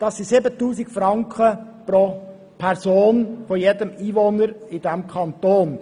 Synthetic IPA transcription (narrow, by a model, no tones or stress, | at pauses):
d̥ɑsːisɪbət̪ːuːsikfɾɑŋkχə | pɾo | pʰɛɾzoːnfɔjedəmiːvonəɾɪd̥æmkʰɑnt̪oːn